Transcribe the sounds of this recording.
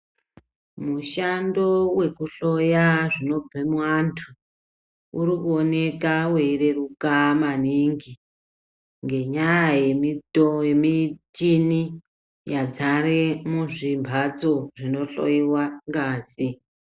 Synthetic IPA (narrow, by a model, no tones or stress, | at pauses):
muʃando̞we̞kuɬo̞jaʐino̞b͡vemwantʰu | uɾikuone̞kawe̞ire̞rukamaniŋɡi | ŋɡe̞ɲajaje̞mitojemitini | jad͡zaremuʐimbʱad͡zo̞ʐino̞ɬo̰jiwaŋɡaːsi